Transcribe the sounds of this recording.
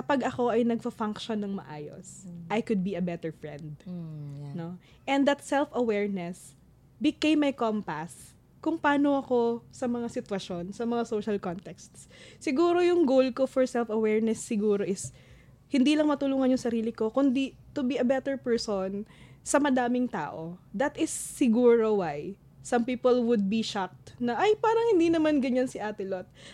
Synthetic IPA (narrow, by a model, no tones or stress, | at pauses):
kɐpɐɡɐko̞ʔɐjnɐɡ̚pɐfaŋkʃonːɐŋmɐ̰ʔaːjo̰sʔɐjkʊd̪̚biɐbɛt̪ɛɹfɹɛ̰̃nd̪̚ | no̞ | ʔɛ̃nd̪ɐt̪sɛlfɐwɛɹnɛs | bɪkejmːɐjkompas | kʊŋpaːnoɐko̞sɐmɐŋasɪt̪wɐʃo̞nsɐmɐŋasoʃɐlkont̪ɛkst̪s | sɪɡuːɾo̞jʊŋɡowlkofɔɹsɛlfɐwɛɹnɛsːɪɡuːɾo̞ʔɪs | hɪnd̪iːlɐŋmɐt̪ʊluːŋɐnjʊŋsɐɾiːlɪko̞kʊnd̪i | t̪ʊbiɐbɛt̪ɛɹpɛɹsonsɐmɐd̪aːmɪŋt̪a̰ːʔod̪ɐt̪ɪsːɪɡuːɹowaj | sɐmpiːpolwʊd̪̚biʃak̚t̪nɐʔːjpaːɾɐŋhɪnd̪inɐmanɡɐɲansɪʔaːt̪ɪlot̪̚